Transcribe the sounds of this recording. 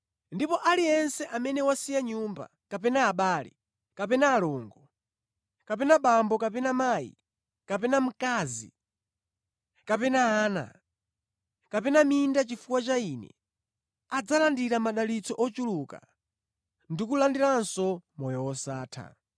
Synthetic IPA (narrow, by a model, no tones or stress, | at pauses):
ndipɔʔaliɛnsɛʔamɛnɛwasijaɲumba̰ | kapɛnaːɓaːlɛ̰ | kapɛnaːlɔŋɡɔ | kapɛnaɓambɔkapɛnamaːjḭ | kapɛnam̩kazḭ | kapɛnaaːna̰ | kapɛnamindat͡ʃifuwat͡ʃaiːnɛ̰ | ad͡zalandiɾamaɗalit͡sɔʔɔt͡ʃuluka̰ | ndikulandiɾansɔmɔjɔwɔsaːtʰa̰